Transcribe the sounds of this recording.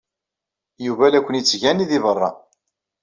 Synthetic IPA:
juvælækʷːənjət͡sːʝæniðivərˤːɑ̰

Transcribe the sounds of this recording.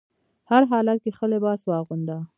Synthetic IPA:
haɾɦɑlat̪̚kexəlɪbɑswɑɣund̪a

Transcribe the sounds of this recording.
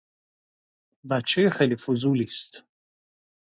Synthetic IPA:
vat͡ʃʰɛxelifuzulist̪

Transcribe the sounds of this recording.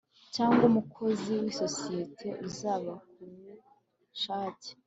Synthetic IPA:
caːŋɡumukʰo̞ziwiso̞sijetʰe̞ʔuzaːβak̚umu | ʃaːce̥

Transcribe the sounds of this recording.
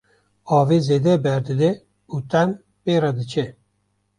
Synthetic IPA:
ɑːveːzeːd̪ɛbɛɾd̪ɨd̪ɛ | ut̪ɛm | peːɾɑd̪ɨt͡ʃʰɛ

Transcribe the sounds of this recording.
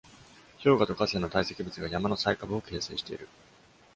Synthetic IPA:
ço̞ːɡat̪o̞kase̞no̞t̪aise̞kʲibɯt͡sɨɡajamano̞saikabɯ̟oke̞ːse̞̰ːɕi̥t̪e̞iɾɯ̟

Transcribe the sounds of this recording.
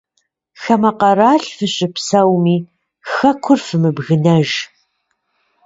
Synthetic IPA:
xɐmɐqɐɾaːɬfɨɕʼɪpsɐwmiː | xɐkʷʰʊrfɨmɨbɣɨnɐʒ

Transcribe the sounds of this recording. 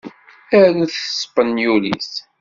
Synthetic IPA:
æɾθə̥spənjulḭs

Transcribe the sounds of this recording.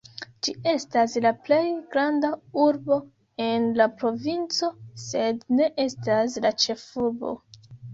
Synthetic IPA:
d͡ʒie̞staslaple̞jɡɾandauɾbo̞ | e̞nlapɾo̞vint͡so̞se̞dne̞ʔe̞stas̬lat͡ʃe̞fuɾbo̞̰

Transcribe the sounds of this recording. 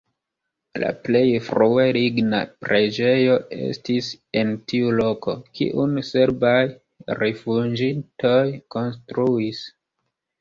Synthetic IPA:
la̰ple̞jfɾueliɡna̰pɾe̞d͡ʒe̞jo̞e̞̰stise̞ntiulo̞ko̞kḭʔunse̞ɾbaj | ɾefud͡ʒinto̞jko̞nstɾuis

